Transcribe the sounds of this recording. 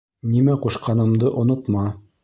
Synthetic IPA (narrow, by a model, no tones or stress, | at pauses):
nimæquʃqɑnɤ̆md̪ɤʔŏnŏt̪mɑ